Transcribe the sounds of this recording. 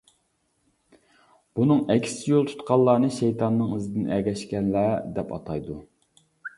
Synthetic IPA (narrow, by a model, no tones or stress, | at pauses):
b̥unɨŋɛkʲʰsɪjolˠt̪ʰu̥t̪qʰɑlˠːɑːnɨʃejt̪ʰɑnːɨŋizɪd̪ɪnʔɛɡʲɛʃkʲɛnlæd̪ɛpɑ̰t̪ʰɑjd̪u